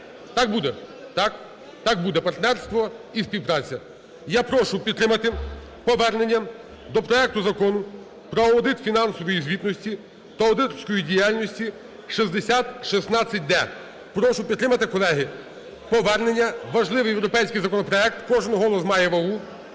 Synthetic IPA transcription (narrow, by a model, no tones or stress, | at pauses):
t̪ɑk̚bud̪ɛt̪ɑk | t̪ɑk̚bud̪ɛpɐrt̪nɛrst̪ʋɔispʲiwpɾɑt͡sʲːɐ | japɾɔʃʊpʲit̪t̪ːɾɪmɐt̪ɪ | pɔʋɛrne̞nʲːɐ | d̪ɔpɾɔɛk̚t̪ʊzɐkɔnʊ | pɾɔɔd̪ɪt̪fʲinɑnsɔʋɔjizʲʋʲit̪nɔsʲtʲi | t̪ɐɔd̪ɪt̪ɔsʲkɔjidʲijalʲnɔsʲtʲi | ʃizd̪esʲat̪ʃisnɑt͡sʲːɐt̚ʲd̪ɛ | pɾɔʃʊpʲid̪t̪ːɾɪmɐt̪ɪkɔlˠɛɦɪ | pɔʋɛrne̞nʲːɐʋɐʒlˠɪʋɪjewɾɔpɛjsʲkɪjzɐkɔnɔpɾɔɛk̚t̪kɔʒɪnɦɔlˠɔsmɑjɛʋɐlˠu